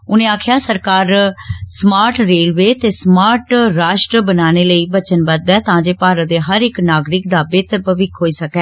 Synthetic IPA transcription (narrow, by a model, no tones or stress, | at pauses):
ʊnẽːaːkʰjaːsəɾkaːɾsmaːɾʈɾeːlʋeːt̪eːsmaːɾʈɾaːʃʈɾəbənaːneːləiːbət͡ʃənbəd̪ɛːt̪ãːd͡ʒeːpaːɾəd̪eːɦəɾɪknaːɡɾɪkd̪aːbeːt̪əpəʋɪkɦoːiːsəkɛː